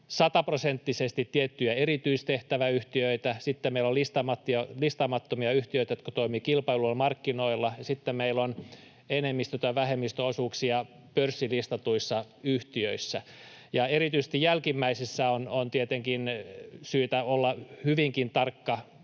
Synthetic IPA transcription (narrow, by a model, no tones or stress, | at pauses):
sɑt̪ɑprosent̪ːisest̪it̪tiet̪ːyjæerit̪yist̪eht̪æʋæyht̪iøit̪æsit̪ːemeilolist̪ɑmɑt̪ːiolist̪ɑmɑt̪ːomiɑyht̪iøit̪æjot̪kot̪oimiːkilpɑilulmɑrkːinoilːɑjɑsit̪ːemmeilːon | enemːist̪øt̪ɑʋæhemːist̪øosuːksiɑ | pørsːilist̪ɑt̪uisːɑyht̪iøisːæ | jɑerit̪yise̥st̪ijjælkimːæisisːæonont̪iet̪eŋkinsyːt̪æolːɑhyʋiŋkint̪ɑrkːɑ